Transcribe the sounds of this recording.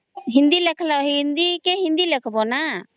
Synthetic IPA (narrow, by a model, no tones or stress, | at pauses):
ɦind̪ilɛkʰlaɦind̪ikɛhind̪ilɛkʰbɔna